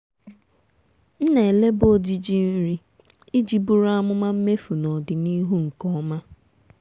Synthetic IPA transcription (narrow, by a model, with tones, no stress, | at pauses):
n̩˦ne˨le˦bo˦d͡ʒi˨d͡ʒi˦n̩˦ɾi˦ | i˦d͡ʒi˨bu˦ɾa˦mʊ˦ma˦m̩˦me˦fu˨nɔ˨dɪ˨ni˦ɦu˦ŋ̩˨kɔ˦ma˦